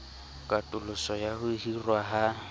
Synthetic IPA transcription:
kʼatʼʊlʊsɔjahʊhirwaɦa

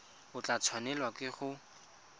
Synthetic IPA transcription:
ʊt͡ɬat͡sʰwanɛlwakɪχʊ

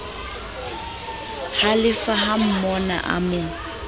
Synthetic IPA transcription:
halɪfaɦam̩mɔna̰ʔa̰mʊ

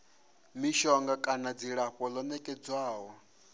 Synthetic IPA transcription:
miʃɔŋɡakʼanad͡ziɺaɸɔlɔnɛkʼɛd͡zwaːwɔ

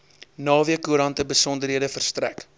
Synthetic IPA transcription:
nɑːviəkuəɾɐntəbəsɔndərɦiədəfərstræ̰k

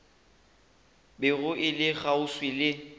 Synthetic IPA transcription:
bɪɣʊʔɪlɪɣaʊswɪlɪ

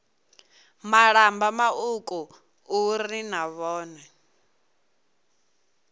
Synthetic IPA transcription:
maɺambamaukʼu | uɾinaβɔːnɛ

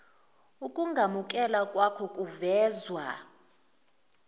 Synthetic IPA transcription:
ukʼuŋɡʱamuk̬ʼɛlakʼwakʰɔkʼuvɛːzwa

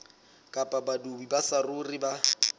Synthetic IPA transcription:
kʼapʼabadubibasarʊriba

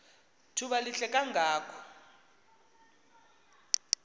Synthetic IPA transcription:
tʰuɓaliɬɛkʼaŋɡʱaːkʰɔ̥

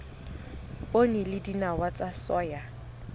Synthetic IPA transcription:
pʼonilɪdinawat͡sʼasɔːja

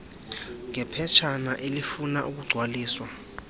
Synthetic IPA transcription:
ŋɛpʰɛt͡ʃʰanaʔelifunaʔuk̬uɡ͡ǀʱwaliːswa

